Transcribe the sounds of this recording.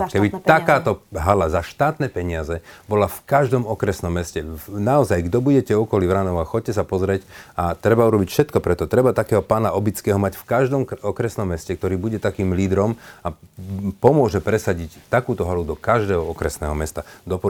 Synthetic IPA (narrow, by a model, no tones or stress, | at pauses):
kɛbit̪akaːt̪ɔɦalazaʃt̪aːt̪nɛpɛɲɪazɛbɔlafkaʒd̪ɔmɔkɾɛsnɔmːɛscɛnaɔzajɡd̪ɔbuɟɛcɛɔkɔlivɾaːnɔʊaxɔc̚cːɛs̬apɔzɾɛcat̪ɾɛbauɾɔbicfʃɛt̪kɔpɾɛt̪ɔt̪ɾɛbat̪akɛːɦɔpaːnaʔɔbit͡skɛːɦɔmacfkaʒd̪ɔmɔkɾɛsnɔmːɛscɛk̚t̪ɔɾiːbuɟɛt̪akiːmliːd̪ɾɔmapɔmʊɔʒɛpɾɛsaɟict̪akuːt̪ɔɦalud̪ɔkaʒd̪ɛːɦɔɔkɾɛsnɛːɦɔmɛst̪ad̪ɔpɔ